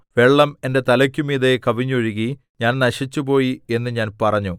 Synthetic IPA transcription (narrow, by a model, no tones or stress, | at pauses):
ʋe̞ɭːɐme̞nde̞t̪ɐlɐkʲːumiːðekɐʋiɲːuɐɻuɣi | ɲaːnnɐʂit͡ɕːupo̞ːjie̞nːɨɲaːnpɐrɐɲːu